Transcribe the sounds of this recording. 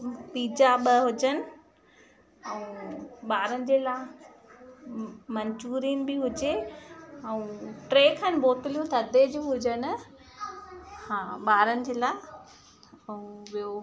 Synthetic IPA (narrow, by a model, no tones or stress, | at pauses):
piːd͡ʑaɓəɦʊd͡ʑənɪ̆ | ɛũɓaːɾənɪ̆d͡ʑeːlaː | mɐɲd͡ʑuːɾiənɪ̆bɪɦʊd͡ʑe | ɛũʈɾeːkʰənɪbʱoːt̪ɪlijũt̪ʰɐd̪ʱed͡ʑuːɦʊd͡ʑənɪ̆ | hãːɓaːɾənɪ̆d͡ʑeːlaːɪ | ɛũʋio